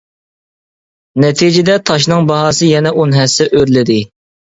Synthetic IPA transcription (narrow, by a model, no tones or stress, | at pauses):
nɛt̪ʰid͡ʒɪd̪ɛt̪ʰɑʃ̬nɨŋbɑɦɑːsɨjɛnɛʔunɦɛsːɛʔøɾlɪd̪ɪ